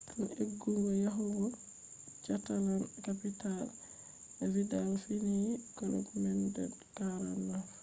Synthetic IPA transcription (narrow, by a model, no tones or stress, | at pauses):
duneɡːuŋɡɔjaɦuɡɔ | t͡ʃatalankapital | ɛvidalfiniɡɔlɔ̰kmɛndɛ̰d | kaɾanːaɾ